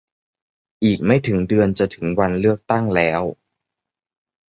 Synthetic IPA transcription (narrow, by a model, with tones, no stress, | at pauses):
ʔiː˨˩k̚ma˥˩jt̪ʰɯ˩˦ŋdɯ˧ənt͡ɕa˨˩t̪ʰɯ˩˦ŋwa˧nlɯ˥˩ək̚t̪a˥˩ŋlɛː˦˥w